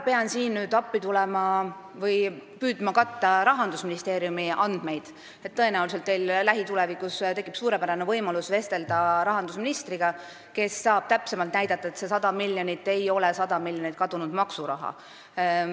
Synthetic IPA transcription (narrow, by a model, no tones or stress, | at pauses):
pe̞ɑnsiːnnyːd̪ɑpːit̪ulɛmɑ | vɤjpyːd̪̥mɑkɑt̪ːɑɾɑɦɑnd̪usminist̪e̞ːɾjumiʔɑnd̪̥me̞jd̪̥ | e̞t̪ːɤe̞næulise̞lt̪ːe̞jllæɦit̪ulɛvikːˑust̪e̞kːˑipsuːɾe̞pæɾɑnevɤjmɑlusve̞st̪e̞ld̪ɑɾɑɦɑnd̪usminist̪riɡ̥ɑ | ke̞sːɑːb̥t̪æpse̞mɑlt̪næjd̪̥ɑt̪ːˑɑe̞t̪se̞sɑd̪ɑmilʲjonit̪ːˑe̞jo̞lɛ̞sɑd̪̥ɑmilʲjonit̪̚ˑkɑd̪̥unud̪̥mɑksuɾɑ̰ɦɑ̰